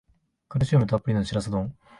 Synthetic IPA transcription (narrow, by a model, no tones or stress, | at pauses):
kɯɾɯɕʰiomet̪ap͈ɯɾinɯnɕʰiɾasʰad̪oŋ